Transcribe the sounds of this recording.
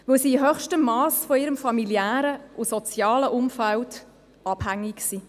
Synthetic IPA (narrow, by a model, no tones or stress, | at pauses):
vɵwsiːɦœχʃtəmːɑːsfɔiːɾəmfɑmiliæːɾəʔʊsɔt͡sjɑːləʔʊmfæwd | ɑb̥hæŋːiksiː